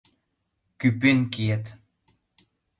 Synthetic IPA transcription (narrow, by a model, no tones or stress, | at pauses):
kypinkiet̪